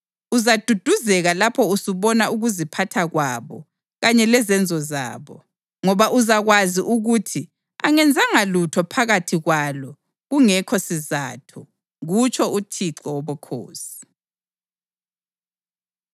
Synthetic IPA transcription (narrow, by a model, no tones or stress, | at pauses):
uzad̥ʱud̥ʱuzɛɣalapʰɔusuβɔnauɣuzipʰatʰaɣwaːβɔ | ɣaɲɛlɛzɛnd͡zʱɔza̰ːβɔ | ŋɔβaʔuzaɣwaziʔuɣutʰi | a̰ŋɛnd͡zʱaŋalutʰɔpʰaɣatʰiɣwalɔ | ɣuŋɛkʰɔsiza̰ːtʰɔ | ɣut͡ʃʰɔʔutʰiǀɔwɔβɔkʰo̰ːsi̥